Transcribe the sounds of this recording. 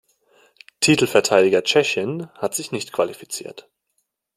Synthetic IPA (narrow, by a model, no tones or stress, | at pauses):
tʰiːtl̩fɛɐtʰaɪdɪɡɐt͡ʃɛçənhatz̥ɪçnɪçtkv̥alifi̥t͡sḭːɐt